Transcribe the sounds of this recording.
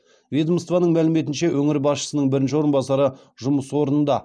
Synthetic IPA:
vʲed̪əmst̪vɑnəɴmælɪme̞t̪̬ɪnʃe̞wʔɵŋɪɾbɑsʃə̥sənəɴbɪɾɪnʃɪwo̞ɾənbɑsɑɾə | ʒʊməswo̞ɾənənd̪ɑ

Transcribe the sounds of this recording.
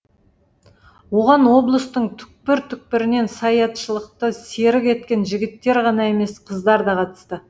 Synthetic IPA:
wo̞ʁɑnwo̞blˠəst̪əɴt̪ʰʏ̥k̚pɪɾt̪ʰʏk̚pɪɾɪne̞nsɑjɑt̪ʃəlˠəq̚t̪əse̞ɾɪke̞t̪kʲe̞nʒɪɡʲɪt̪ːe̞ɾʁɑnɑe̞me̞sqʰəzd̪ɑɾd̪ɑqʰɑt̪ə̥st̪ə

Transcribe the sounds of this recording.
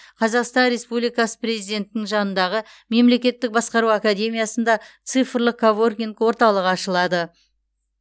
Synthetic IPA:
qʰɑzɑqst̪ɑnɾe̞spublijkɑsə̥prezijd̪e̞nt̪ɪnɪŋʒɑnənd̪ɑʁə | me̞mle̞kʲe̞t̪ːɪk̚bɑsqɑɾuakad̪ʲe̞mʲijɑsənd̪ɑt̪sɨjfəɾlˠəqkʰːavorɡʲiŋkwo̞ɾt̪ɑlˠəʁɑʃəlˠɑd̪ə

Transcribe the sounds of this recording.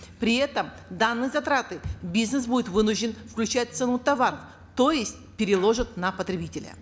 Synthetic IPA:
pɾʲɪɛt̪əm | d̪anːɨjəzɐt̪ɾat̪ɨbʲiznɨs̬budʲɪt̪vɨnʊʐdʲɪnfklʲʉt͡ɕæt̚ʲt̪sɛnut̪ɐvaɾəf | t̪o̞jɪsʲt̚ʲpʲɪɾʲɪlˠo̞ʐɨt̪nɐpət̪ɾʲɪbʲitʲɪlʲə̰

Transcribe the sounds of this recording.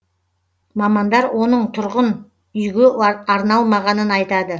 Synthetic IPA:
mɑmɑnd̪ɑɾwʔo̞nəɴt̪ʰʊɾʁən | ʏjɡʲeɑɾnɑlˠmɑʁɑnənɑjt̪ɑd̪ə

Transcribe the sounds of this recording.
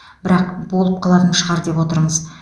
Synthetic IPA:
b̥ɪɾɑqbo̞lˠəp̚qʰɑlˠɑt̪ənʃəʁɑɾd̪e̞pwo̞t̪əɾɴəz

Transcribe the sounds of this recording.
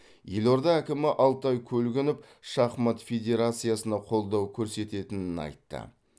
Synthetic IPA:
je̞lo̞ɾd̪ɑækʲɪmɪʔɑlˠt̪ɑjkʲʰɵlɡʲɪnɪp | ʃɑχmɑt̪fʲe̞d̪ʲe̞ɾat̪sɨjasənɑqʰo̞lˠd̪ɑwkʲʰɵɾse̞t̪e̞t̪ɪnɪnɑ̰jt̪ːə̰

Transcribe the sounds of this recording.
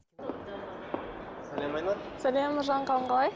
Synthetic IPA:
sælemɑjmɑsælʲemːʊʒɑɴqʰɑlˠəɴqɑlˠɑj

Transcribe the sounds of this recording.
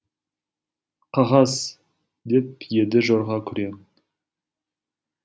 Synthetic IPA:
qʰɑʁɑs | d̪e̞p̚je̞d̪ɪʒoɾʁɑkʲʰʏɾem

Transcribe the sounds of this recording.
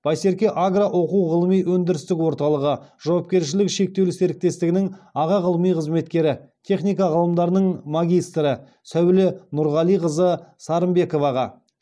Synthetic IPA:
b̥ɑjse̞ɾkʲe̞ʔaɡraʔwo̞quwʁəlˠəmijwɵnd̪ɪɾɪst̪ɪkwo̞ɾt̪ɑlˠəʁəʒ̥ɑwɑp̚kʲe̞ɾʃɪlɪkʃe̞k̚t̪e̞wlɪse̞ɾɪk̚t̪e̞st̪ɪɡʲɪnɪŋɑʁɑʁəlˠəmijqʰəzme̞t̪kʲe̞ɾɪt̪ʲʰe̞χnijkɑʁəlˠəmd̪ɑɾənəɴmaɡʲijst̪ɾə | sæwlɪnʊɾʁɑlˠijqəzəsɑɾəmbe̞ko̞vɑʁɑ

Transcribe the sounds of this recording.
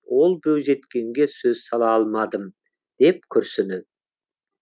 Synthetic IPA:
wo̞lˠbɵwze̞t̪kʲe̞ŋɡʲe̞søzsɑlˠɑɑlˠmɑd̪əm | d̪̥e̞p̚kʲʰɵɾsɪnɪd̪

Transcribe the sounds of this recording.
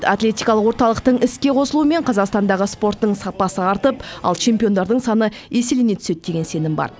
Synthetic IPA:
t̪at̪lʲe̞t̪ʲijkɑlˠəqwo̞ɾt̪ɑlˠəqt̪əɴɪskʲe̞qʰo̞səlˠuəme̞ɴqʰɑzɑqst̪ɑnd̪ɑʁəspo̞rt̪ːəɴsɑpɑsəɑɾt̪əpɑ̰lˠt͡ʃʰe̞mpio̞nd̪ɑɾd̪əɴsɑnə | e̞selene̞t̪ʰʏse̞t̪̚d̪̥e̞ɡʲe̞nse̞nɪmbɑ̰ɾ

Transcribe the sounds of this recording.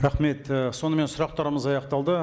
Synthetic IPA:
ɾɑχme̞t̪əso̞nəme̞nsʊɾɑq̚t̪ɑɾəməzɑjɑqt̪ɑlˠd̪ə

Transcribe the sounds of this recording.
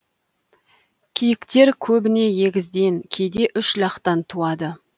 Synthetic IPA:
kʲʰijɪkt̪e̞ɾkʲʰɵbɪne̞je̞ɡʲɪzd̪e̞ŋkʲʰe̞jd̪e̞ʔʏʃlʲɑqt̪ɑnt̪ʰuɑd̪ə

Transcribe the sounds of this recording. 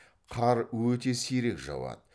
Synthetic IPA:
qʰɑɾwɵt̪e̞seɾe̞kʒɑ̰wɑ̰t̪ə

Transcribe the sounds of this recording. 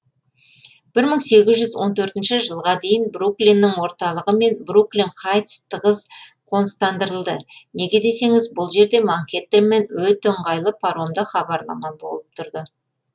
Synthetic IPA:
b̥ɪɾməɴse̞ɡʲɪzʒʏzwo̞nt̪ʰɵɾt̪ɪnʃɪʒəlˠʁɑd̪e̞jɪnbruklʲinːɪŋwo̞ɾt̪ɑlˠəʁəme̞nbruklʲinχɑjt̪st̪ʰəʁəz | qʰo̞nəst̪ɑnd̪əɾəlˠd̪əne̞ɡʲed̪e̞se̞ŋɪzbʊlˠʒe̞ɾd̪e̞maŋkʲe̞t̪ːeɾme̞nwɵt̪eɴʁɑjlˠəpʰaɾo̞md̪əχɑbɑɾlˠɑ̰mɑbo̞̰lˠəp̚t̪ʰʊɾd̪ə

